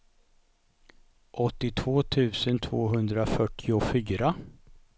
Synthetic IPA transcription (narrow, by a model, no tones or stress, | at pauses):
ʔɔt̪ːɪt̪ʰvoːt̪ʰʉ̟ːsənt̪ʰvoːɦɵnd̪ɾafœʈːɪʊfyːɾa